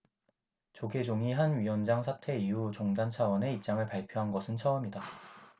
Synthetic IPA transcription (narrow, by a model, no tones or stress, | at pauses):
t͡ɕoɡe̞d͡ʑoŋiɦanɥiwʌnd͡ʑaŋsʰatʰe̞iut͡ɕoŋdant͡ɕʰawʌne̞ip̚t͡ɕ͈aŋɯɭpaɭpʰjoɦanɡʌsʰɯnt͡ɕʰʌɯmɲida